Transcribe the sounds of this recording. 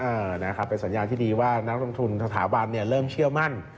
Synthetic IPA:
ʔɤː˧˩na˦˥kʰɾa˦˥pːe˧nsa˩˦njaː˧nt̪ʰiː˥˩diː˧waː˥˩na˦˥k̚lo˧ŋt̪ʰu˧nsa˧t̪ʰaː˩˦ba˧nːi˥˩ɐɾɤː˥˩mt͡ɕʰɯ˥˩əwma˥˩n

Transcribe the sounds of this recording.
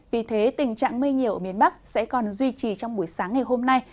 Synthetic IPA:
vi˨˩t̪ʰe˨˦t̪ï˨˩ŋ̟t͡ɕa̰ː˧˨ŋmɨ˧jŋɲi˨˩əwʔəː˧˩mi˧˩ənɓa˦˥k̚sɛ̰˧˥kɔ˨˩nzwi˧t͡ɕi˨˩t͡ɕɔ˧wŋ͡mɓu˧˩əjsaː˨˦ŋːa˨˩jɦo˧mna˧j

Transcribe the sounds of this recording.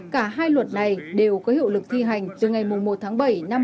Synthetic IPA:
kaː˧˩ɦaː˧jlwə˨˩t̚na˨˩jɗe˨˩wkɔ˨˦hḭ˧˨wlɨ˨˩k̚t̪ʰi˧ɦa˨˩jŋ̟t̪ɨ˨˩ŋa˨˩jmʊ˨˩ŋ͡mmo˨˩t̚t̪ʰaː˨˦ŋɓə˧˩jna˧m

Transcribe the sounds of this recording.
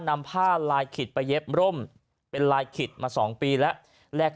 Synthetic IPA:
na˧mpʰaː˥˩laː˧jkʰi˨˩t̪̚pa˧jːe˦˥p̚ɾo˥˩m | pe˧nlaː˧jkʰi˨˩t̪̚maː˧sɔː˩˦ŋpiː˧lɛ˦˥ʔ | lɛː˧˩k̚

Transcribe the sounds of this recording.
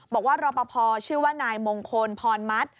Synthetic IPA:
bɔː˨˩k̚waː˥˩ɾɔː˧pa˧pʰɔː˧t͡ɕʰɯː˥˩waː˥˩naː˧jmo˧ŋkʰo˧npʰɔː˧nma˦˥t̪̚

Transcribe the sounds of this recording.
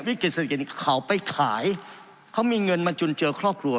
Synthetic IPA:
wi˦˥˩ki˨˩sa˧t̪ʰki˨˩kʰa˩˦wpa˧jkʰaː˩˦j | kʰa˦˥wmiː˧ŋɤ˧nmaː˧t͡ɕu˧nt͡ɕɤː˧kʰɾɔː˥˩p̚ʰɾu˧ə

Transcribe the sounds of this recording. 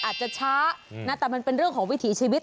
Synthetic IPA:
ʔaː˨˩t̪̚t͡ɕa˨˩t͡ɕʰaː˦˥naː˥˩t̪ɛː˨˩ma˧npe˧nɾɯ˥˩əŋkʰɔː˩˦ŋwi˦˥t̪ʰiː˩˦t͡ɕʰiː˧wi˦t̪̚

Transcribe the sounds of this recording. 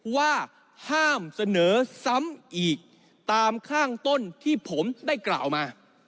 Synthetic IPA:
waː˥˩ | haː˥˩msa˧nɤː˩˦sa˦˥mʔiː˨˩k̚ | t̪aː˧mkʰaː˥˩ŋt̪o˥˩nt̪ʰiː˥˩pʰo˩˦mdaː˥˩jkla̰ː˨˩wmaː˧

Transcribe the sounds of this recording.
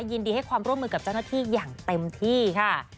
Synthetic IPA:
ji˧ndiː˧ha˥˩jkʰwaː˧mɾu˥˩əmːɯː˧ka˨˩p̚t͡ɕa˥˩wnaː˥˩t̪ʰiː˥˩jaː˨˩ŋt̪e˧mt̪ʰiː˥˩kʰa˥˩

